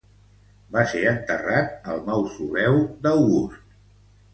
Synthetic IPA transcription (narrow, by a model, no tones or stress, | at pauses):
baseɾənt̪ərat̪əlˠnawsuβɛwd̪əwɣust̪̚